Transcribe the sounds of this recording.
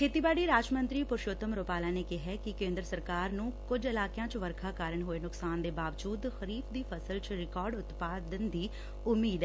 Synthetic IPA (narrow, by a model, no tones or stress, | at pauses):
kʰeːt̪iːbaːɽiːɾaːd͡ʒmənt̪ɾiːpʊɾʃoːt̪əmɾoːpaːlaːneːkɪɦɛːkɪkẽːnd̪ɾəsəɾkaːɾnũːkʊd͡ʒɪlaːkɪjãːt͡ʃʋəɾkʰaːkaːɾəɳɦoːeːnʊksaːnd̪eːbaːʋd͡ʒuːd̪xəɾiːfd̪iːpʰəsəlt͡ʃɾɪkaːɾɖʊt̪paːd̪ənd̪iː | ʊmːiːd̪ɛ